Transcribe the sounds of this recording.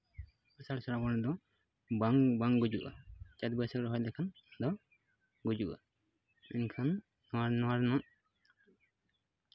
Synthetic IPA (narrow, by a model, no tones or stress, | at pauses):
asaɽsɔɾabɔnɔd̪ɔ | baŋbaŋɡud͡ʒuʔa̰t͡ʃat̪̚bəsakɾɔɦɔjd̪ɛkʰan | d̪ɔ | ɡud͡ʒuʔa̰ | ɛnkʰanː | ɔwaɾnɔwaɾnɔʔ